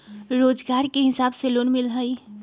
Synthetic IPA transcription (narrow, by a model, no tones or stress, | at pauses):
ɾoːd͡ʒɡaːɾkeɦɪsaːbseloːnmɪlɦəi